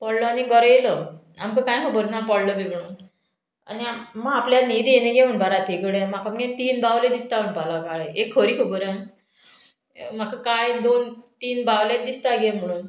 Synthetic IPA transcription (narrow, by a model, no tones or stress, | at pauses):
pɔɽlɔaniɡɔɾelɔ | a̰mkəkãjɦobəɾnapɔɽləbeɡəɽ̃uːn | a̰nimaapljanid̪eneɡeunbaɾat̪ʰeɡəɽẽmakamɡẽt̪iːnbaʋled̪ist̪aɦunpalakaɭeekʰːoɾiːkobuɾani | makəkajd̪ont̪iːnbawlet̪̚d̪ist̪aɡem̤əɽ̃uːn